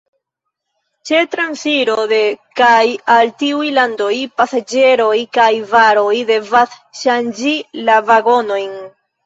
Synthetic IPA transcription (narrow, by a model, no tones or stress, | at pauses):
t͡ʃe̞tɾansiɾo̞de̞kajaltiujlando̞jpasad͡ʒe̞ɾo̞jkajvaɾo̞jde̞vas | ʃand͡ʒilavaɡo̞no̞jn